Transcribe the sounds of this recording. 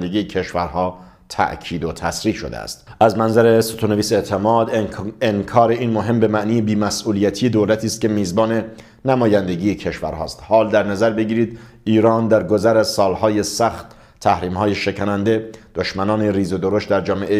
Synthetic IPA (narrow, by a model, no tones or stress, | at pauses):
nd̪eɡiːjecʰe̞ʃvæɾɦɒː | t̪ʰæ̰ʔcʰiːd̪ot̪ʰæsɾiːʃo̞̰d̪ḛæ̰st̪ʔæzmænzæɾe̞sot̪ʰoneviːseʔt̪ʰemɒːd̪eŋkʰɒːɾe̞iːnmoɦe̞mbe̞mæʔniːjebiːmæsʔuːlijæt̪ʰijed̪oːlæt̪ʰiːst̪̚kʲe̞miːzbɒːne̞ | næmɒːjænd̪e̞ɡijecʰe̞ʃvæ̰ɾhɒ̰ːst̪hɒːld̪æɾnæzæɾbe̞ɟiːɾiːd̪ʔiːɾɒːnd̪æɾɡo̞zæɾæzsɒːlhɒːje̞sæxt̪ | tʰːæhɾiːmhɒːjeʃe̞cʰænænd̪e̞d̪̥oʃmænɒːneriːzod̪oɾost̪̚d̪æɾd͡ʒɒːmeʔe